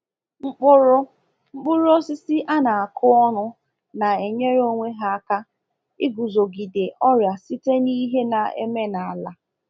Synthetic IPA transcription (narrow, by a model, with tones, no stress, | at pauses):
ŋ͡m̩˦k͡pʊ˦ɾʊ˦ | ŋ͡m̩˦k͡pʊ˦ɾɔ˦sɪ˦si˦ʔa˦na˨a˨kʰʊ˦ɔ˦nʊ˦ | na˨e˨ɲe˦ɾo˦ŋʷe˦ɦa˦˨ka˦ | ɪ˦ɡu˨zo˨ɡi˨de˨ɔ˦ɾja˨si˦te˦ni˦ɦe˦na˨ḛ˦me˦na˨la˦